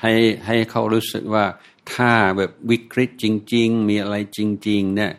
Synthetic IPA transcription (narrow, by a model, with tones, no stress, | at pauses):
ha˧˩jɦa˧˩jkʰa˦˥wɾuː˦˥sɯ̰˨˩k̚waː˧˩ | t̪ʰaː˧˩bɛː˨˩p̚wi˦˥kʰɾi˦˥t̪̚t͡ɕi˧ŋt͡ɕi˧ŋmiː˧ʔa˧ɾa˧jt͡ɕi˧ŋt͡ɕi˧ŋni˦˥˩ɐʔ